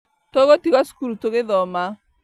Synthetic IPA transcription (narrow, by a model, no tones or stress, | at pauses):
toɣotiɣasu̥kuɾutoɣeðɔma